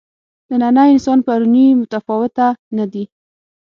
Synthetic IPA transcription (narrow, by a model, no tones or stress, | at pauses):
d̪̥ənanaɪnsɑnpaɾunimʊt̪afɔwɪt̪anad̪i